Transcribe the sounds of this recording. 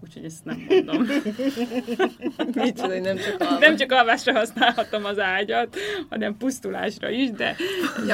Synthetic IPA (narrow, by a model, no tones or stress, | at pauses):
uːchoɟɛst̪nɛmɡond̪om | mionɛmt͡ʃɒnɛmt͡ʃɒkɒlvaːʃrɒɦɒsnaːlhɒt̪o̞mɒzaːɟɒt̪hɒ̰nɛmpust̪ula̰ːʃrɒ̰iʃd̪ɛ̰